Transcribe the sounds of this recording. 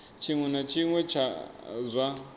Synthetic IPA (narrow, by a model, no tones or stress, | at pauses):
t͡ʃʰiŋwɛnat͡ʃʰiŋwɛt͡ʃʰazʷa